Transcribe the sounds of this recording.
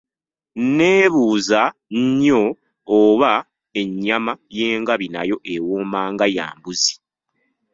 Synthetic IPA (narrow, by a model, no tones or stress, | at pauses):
ne̞ːβuːzaɲɲoː | βa | e̞ɲːamajeːŋɡaβina̰jo̞ʔewoːmaːŋɡaja̰ːmbuzi̥